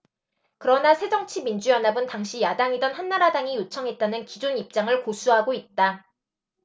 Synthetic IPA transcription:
kɯɾʌnasʰe̞d͡ʑʌŋt͡ɕʰimind͡ʑujʌnɦabɯntaŋɕʰijadaŋidʌnhanːaɾadaŋijot͡ɕʰʌŋɦe̞t̚t͈anɯnkid͡ʑonip̚t͡ɕ͈aŋɯɭkosʰuɦaɡoit̚t͈a

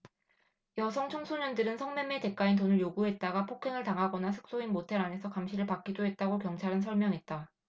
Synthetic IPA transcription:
jʌsʰʌŋt͡ɕʰoŋsʰoɲʌndɯɾɯnsʰʌŋmeme̞te̞k͈aintonɯɭjoɡuɦe̞t̚t͈aɡapʰokʰe̞ŋɯɭtaŋɦaɡʌnasʰɯ̥k̚s͈oinmotʰe̞ɾane̞sʰʌkamɕʰiɾɯɭpak͈̚idoɦe̞t̚t͈aɡokjʌŋt͡ɕʰaɾɯnsʰʌɭmjʌŋɦet̚t͈a

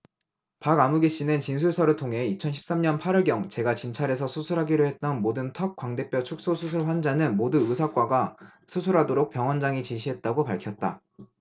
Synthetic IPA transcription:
paɡamuɡeɕ͈inent͡ɕinsʰuɭsʰʌɾɯɭtʰoŋɦe̞it͡ɕʰʌnɕʰi̥p̚s͈amɲʌnpʰaɾɯɭɡjʌŋt͡ɕe̞ɡat͡ɕint͡ɕʰaɾe̞s̬ʰʌsʰusʰuɾɦaɡiɾoɦe̞t̚t͈ʌnmodɯntʰʌk̚k͈waŋde̞p͈jʌt͡ɕʰuk̚s͈osʰusʰuɭɸwand͡ʑanɯnmoduɯsʰak͈waɡasʰusʰuɾɦadoɾok̚p͈jʌŋwʌnd͡ʑaŋit͡ɕiɕʰiɦe̞t̚t͈aɡopaɭkʰjʌt̚t͈a̰

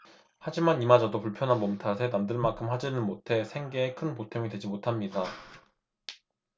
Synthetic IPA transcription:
had͡ʑimanimad͡ʑadopuɭpʰjʌnɦanmʌmtʰasʰe̞namdɯɭmakʰɯmɦhad͡ʑinɯnmotʰe̞sʰe̞ŋɡeːkʰɯnpotʰemidwe̞d͡ʑimotʰamɲida

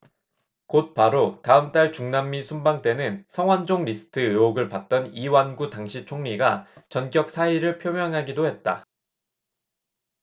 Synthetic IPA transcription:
kot̚paɾotaɯmt͈aɭt͡ɕuŋnamːisʰumbaŋt͈e̞nɯnsʰʌŋwand͡ʑoŋɾis͈ʰɯ̥tʰɯɯoɡɯɭpat̚t͈ʌniwanɡutaŋɕʰit͡ɕʰoŋɲiɡat͡ɕʌnk͈jʌk̚s͈ʰaiɾɯɭpʰjomjʌŋɦaɡidohe̞t̚t͈a̰

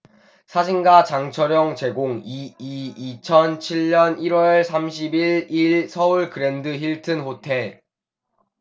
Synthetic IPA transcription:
sʰad͡ʑʰiŋɡat͡ɕaŋt͡ɕʰʌɾjʌŋt͡ɕe̞ɡoŋiiːt͡ɕʰʌnt͡ɕʰiɭːʌniɾwʌɭsʰamɕ̬ʰibiɭiɭsʰʌuɭkɯɾe̞ndɯçiɭtʰɯnɸotʰe̞ɭ

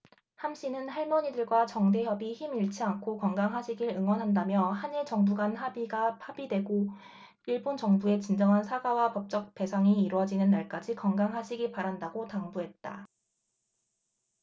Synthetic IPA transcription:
hamɕʰinɯnhaɭmʌɲidɯɭɡwat͡ɕʌŋde̞jʌbiçimiɭt͡ɕʰiaŋkʰokʌŋɡaŋɦaɕʰiɡiɾɯŋwʌnɦandamjʌhaɲiɭt͡ɕʌŋbuɡanhabiɡahabidwe̞ɡo | iɭbont͡ɕʌŋbue̞t͡ɕind͡ʑʌŋɦansʰaɡawapʌp̚t͡ɕ͈ʌk̚t͈e̞sʰaŋiːɾwʌd͡ʑinɯnːaɭk͈ad͡ʑikʌŋɡaŋɦaɕʰiɡiɭpaɾandaɡotaŋbuɦe̞t̚t͈a

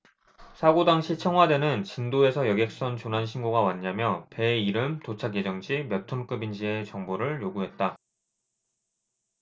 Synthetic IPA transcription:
sʰaɡodaŋɕʰit͡ɕʰʌŋɦwade̞nɯnt͡ɕindoe̞sʰʌjʌɡe̞k̚s͈ʌnt͡ɕonanɕʰinɡoɡawaɲːamjʌpe̞iɾɯmtot͡ɕʰaɡed͡ʑʌŋd͡ʑimjʌtʰonk͈ɯbind͡ʑie̞t͡ɕʌŋboɾɯɭjoɡuɦe̞t̚t͈a

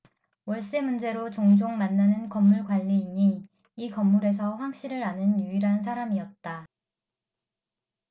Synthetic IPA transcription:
wʌɭs͈e̞mund͡ʑe̞ɾot͡ɕoŋd͡ʑoŋmanːanɯnkʌmːuɭkwaʎːiːɲi | ikʌmːuɾe̞s̬ʰʌɸwaŋɕ͈iɾɯɾanɯnjuiɾɦans̬ʰaɾamiʌt̚t͈a

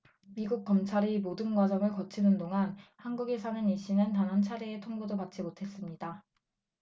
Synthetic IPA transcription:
miɡuk̚k͈ʌmt͡ɕʰaɾimodɯnɡwad͡ʑʌmɯɭkʌt͡ɕʰinɯndoŋanhanɡuɡesʰanɯniɕ͈inɯntanɦant͡ɕʰaɾeetʰoŋbudopat͡ɕ͈imotʰe̞s͈ɯmɲida

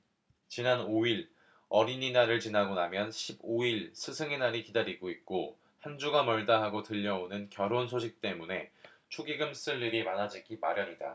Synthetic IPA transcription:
t͡ɕinanoiɾ | ʌɾiɲinaɾɯɭt͡ɕinaɡonamjʌnɕʰiboiɭsʰɯsʰɯŋenaɾikidaɾiɡoit̚k͈o | hand͡ʑuɡamʌɭdaɦaɡotɯʎːʌonɯnkjʌɾonsʰoɕʰik̚t͈e̞mune̞ | t͡ɕʰoɡiɡɯms͈ɯɭːiɾimanad͡ʑiɡimaɾjʌɲida̰

